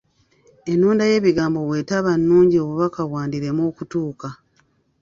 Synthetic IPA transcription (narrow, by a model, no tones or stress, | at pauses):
e̞nːuːndaje̞ːβiɡaːmbo̞βwe̞ːtaβanːuːɲɟio̞βuβakawaːndiɾe̞moːkutuːka